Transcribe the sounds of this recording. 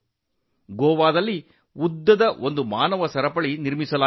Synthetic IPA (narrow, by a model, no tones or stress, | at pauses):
ɡoːʋaːd̪ɐlːi | ud̪ːɐd̪ɐʔo̞nd̪umaːnɐʋɐsɐɾɐpɐɭiniɾmisɐlaː